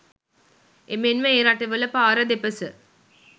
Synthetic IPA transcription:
emenʋəeːɾaʈəʋələpaːɾɐd̪epəsə

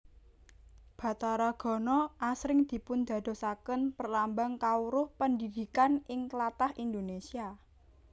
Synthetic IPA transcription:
b̥ä̤t̪aɾaɡ̥ɔ̤nɔʔasɾɪŋd̪̥i̤pʊnd̪̥ä̤d̪̥o̤sakənpərlambaŋkauɾʊhpəndid̪̥i̤kanɪŋklat̪ahind̪onesia

